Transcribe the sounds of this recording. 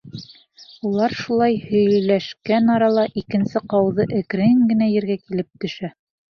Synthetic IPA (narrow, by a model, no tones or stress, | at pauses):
ulˠɑɾʃulˠɑjhɵ̆jlæʃkænɑɾɑlˠɑʔikɘ̆nsɘqɑwðɤʔɘ̆kɾɘŋɡɘ̆næjɘ̆ɾɡækilɘp̚t̪ɵ̆ʃæ